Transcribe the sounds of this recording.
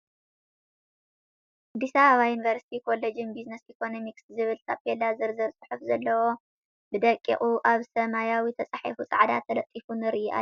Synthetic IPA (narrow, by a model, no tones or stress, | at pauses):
ʔʔad̪ːisaβɐβajunivɐɾsi̥t̪ʰikʰo̞led͡ʒɨnbiznɐsikʰo̞no̞mikszɨβɨlt̪ʰapʰelazɨɾzɨɾsʼɨ̥ħufzɐlːɐwo̞ | bɨd̪ɐkʼːḭxʼuʔaβsɐmajawit̪ʰɐt͡sʼaħḭfut͡sʼaʕd̪a̰t̪ʰːɐlɐt̪ʼːifunɨɾʔiʔa̰